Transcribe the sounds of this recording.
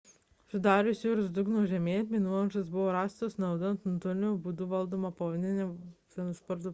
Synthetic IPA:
sʲʊd̪ɑːɾʲʊsʲjuːɾʊsd̪ʊɡnoːʒʲɛmʲeːmʲinulˠɐʒɐsbʊʋoːɾɑːst̪oːsnɐʊd̪ʊɐnt̪nut̪ʊɾʲnʲuːbud̪uʋɐlˠd̪oːmɐpɐʋonʲɪnʲɛ | iɛnʊspɔɾt̪u

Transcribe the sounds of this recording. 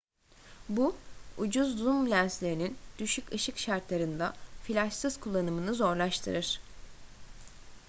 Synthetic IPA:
buud͡ʒuzːumblʲænslʲe̞ɾinind̪̥yʃykɯʃɯkʃaɾt̪lˠaɾɯnd̪afilʲaʃsɯzkʰulˠːanɯmɯnɯzo̞ɾlˠaʃt̪ʰɯɾɯɾ̥

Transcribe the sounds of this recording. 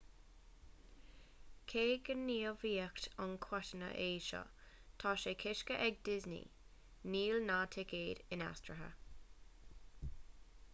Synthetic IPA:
kʰeːɡənːiːəviːəktankʰwɔtənə̰ʔeːʃɔ̰ | t̪ʰɑːʃekʰɪʃkəʔɛɡ̚dɪznḭ | niːlnaːtʰɪkeːdɪna̰stɹəɦə̰

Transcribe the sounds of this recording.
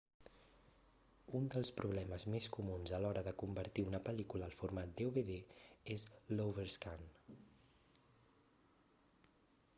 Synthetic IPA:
und̪əlˠspɾuβlɛməzmeskumunzəlɔɾəðəkumbəɾt̪iunəpəlikuləːlˠfuɾmat̪̚d̪euβeðeezlowβəɾskan

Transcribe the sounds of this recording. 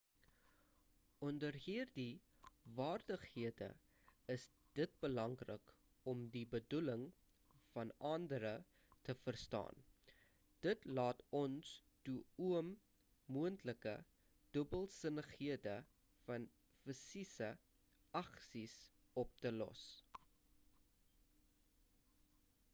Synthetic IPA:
ʔɔndərɦirdi | vɑːrdəχhiədə̰ | əs | d̥ət̚bəlɐŋrə̰k | ɔmdibəduləŋ | fɐnɑndəɾə | təfərstɑ̰ːn | d̥ətlɑːtɔnstuuəmː | uəntləkə̰ | d̥əbəlˠsənəχhiədə | fɐn | fəsisə | ɐksisɔp̚təlɔ̰s

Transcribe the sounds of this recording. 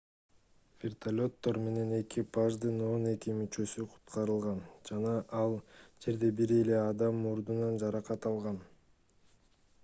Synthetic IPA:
vʲert̪ʰalʲo̞t̪ːo̞ɾme̞ne̞ne̞kipaʒd̪ɯno̞ne̞kimyt͡ʃø̞syqʰu̥t̪qɑɾɯlˠʁɑnd͡ʒɑnɑʔɑlˠd͡ʒe̞ɾd̪e̞biɾe̞le̞ɑd̪ɑmːuɾd̪unɑnd͡ʒɑɾɑqɑt̪ɑlˠʁɑn

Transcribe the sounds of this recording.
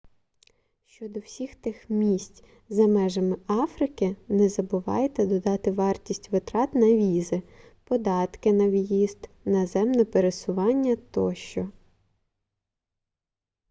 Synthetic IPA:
ʃt͡ʃɔd̪ɔwsʲixt̪ɪxmʲisʲtʲ | zɐmɛʒɐmɪɑfɾɪkɪnɛzɐbʊʋɑ̰jet̪ɛd̪ɔd̪ɑt̪ɪʋɑrtʲisʲtʲʋɪt̪ɾɑt̪nɐʋʲizɪpɔd̪ɑt̪kɪnɐʋjizd̪ | nɐzɛmnɔpeɾesʊʋɑnʲːɐt̪ɔʃt͡ʃɔ

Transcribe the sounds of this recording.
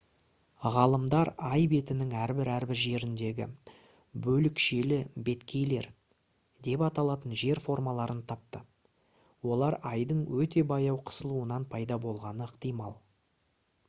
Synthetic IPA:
ʁɑlˠəmd̪ɑɾɑjbe̞t̪ɪnɪŋæɾbɪɾæɾbɪɾʒe̞ɾɪnd̪e̞ɡʲɪ̰ | bɵlɪkʃe̞lɪbe̞t̪kʲʰe̞jle̞ɾ | d̪e̞pɑt̪ɑlˠɑt̪ənʒe̞ɾfo̞rmɑlˠɑɾənt̪ʰɑp̚t̪ə | wo̞lˠɑɾɑjd̪əɴwɵt̪e̞bɑjɑwqʰə̥səlˠuənɑnpʰɑjd̪ɑbo̞lˠʁɑnəəqt̪ijmɑlˠ

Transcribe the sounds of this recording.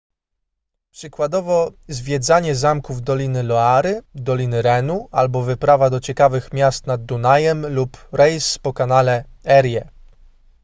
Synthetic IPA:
pʂɘkwad̪ɔvɔzvʲjɛd̪zaɲɛzamkuvd̪ɔlʲinɘlɔaɾɘd̪ɔlʲinɘɾɛnualbɔvɘpɾavad̪ɔt͡ɕɛkavɘxmʲjast̪nad̪̚ːunajɛmlupɾɛjspɔkanalɛɛɾjɛ

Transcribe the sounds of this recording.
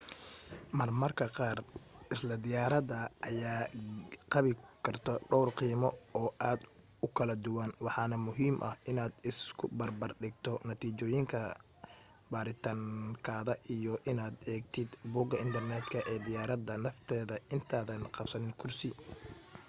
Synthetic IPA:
mɐrmɐrkʰɐqɑːrʔɪslɐd̪ɪjaːɾɐd̪ɐʔɐjaːqɑβɪkʰɐrt̪ʰɔɖɔwrqiːmɔɔːʔaːd̪ | ʊkʰɐlɐd̪ʊwɐnwɑħɑːnɐmʊɦiːmʔɐ̰hɪnaːd̪ɪskʰʊbɐrbɐrɖɪɡ̚t̪ʰɔnɐt̪ʰiːt͡ʃɔːjɪŋkʰɐ | baːɾɪt̪ʰaːŋkʰaːðɐʔijɔʔɪnaːd̪ɛːɡ̚t̪ʰɪd̪buːɡɐɪnt̪ʰɐrnɛt̪kʰɐʔɛːd̪ɪjaːɾɐd̪ɐnɐft̪ʰɛːðɐɪnt̪ʰaːðɐnqɑbsɐnɪnkʰʊrsɪ

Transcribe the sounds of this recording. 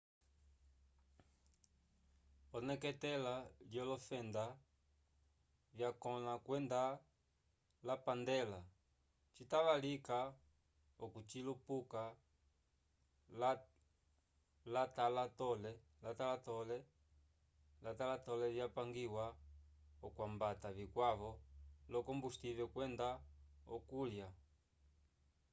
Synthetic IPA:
ɔnɛkɛtɛlaljɔlɔfɛnda | vjakɔnakwɛnda | lapandɛla | t͡ʃitaβalika | ɔkut͡ʃilupuka | l | latalatɔlɛ | latalatɔlɛ | latalatɔlɛvjapaŋɡiwa | ɔkwambataβikwaβɔlɔkɔmbustivɛkwɛndaɔkulja

